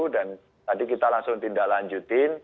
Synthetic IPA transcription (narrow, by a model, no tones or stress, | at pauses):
dan | t̪adikit̪alaŋsʊŋt̪indaʔlaɲd͡ʒut̪ɪn